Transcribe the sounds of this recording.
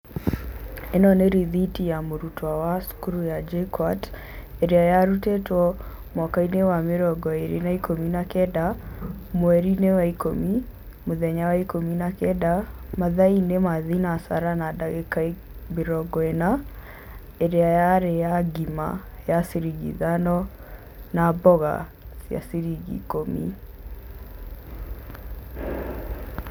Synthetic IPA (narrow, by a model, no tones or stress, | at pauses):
enɔneɾiðitijamoɾutwawasu̥kuɾujad͡ʒekwat | eɾeajaɾutɛtwɔ | mwakainewamɪɾɔɡɔeɾḛnaikominakɛdamwɛɾinewaiko̰mi | moðɛɲawaikominakɛdamaðainemaðinasa̰ɾanadaɣekae | meɾɔɡɔena | eɾeajaɾejaɡima̰jaseɾiɣḭðanɔ | nabɔɣa̰ | sja̰seɾiɣḭkomḭ